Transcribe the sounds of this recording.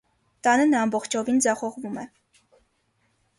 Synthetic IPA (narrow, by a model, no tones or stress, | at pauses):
t̪ɑnənɑmbɔχt͡ʃʰɔvind͡zɑχɔʁvumɛ